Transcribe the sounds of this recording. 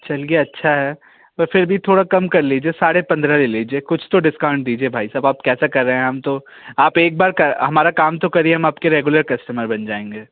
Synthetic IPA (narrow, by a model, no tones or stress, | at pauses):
t͡ʃɐlieɐtːʃʰaɦɛː | ɔːɾfʰɪɾbʱit̪ʰoːɽakɐmkɐɾliːd͡ʒiesaːɽepɐ̃nd̪ɾaleliːd͡ʒieːkʊt͡ʃʰt̪oɖɪskãːʊ̃ɳɖ̚d̪iːd͡ʒiebʱaːisaːbaːpkɛːsakɐɾːəɦeɛ̃ɦɐmt̪o | aːpeːk̚baːɾkɐɦɐmaːɾakaːmt̪okɐɾieɦɐmaːpkeɾeːɡʊləɾkɐsʈəməɾbɐnd͡ʒaːẽːŋɡeː